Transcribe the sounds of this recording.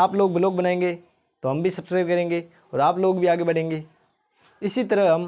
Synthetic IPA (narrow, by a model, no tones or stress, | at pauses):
aːploːɡbɪloːk̚bɐnaːẽːŋɡeː | t̪oɦɐmbʱisɐbskɾaːɪb̚kɐɾẽːŋɡe | ɔːɾaːploːɡbʱiaːɡebɐɽ̤ẽːŋɡeː | ɪsit̪ɐɾəɦɐm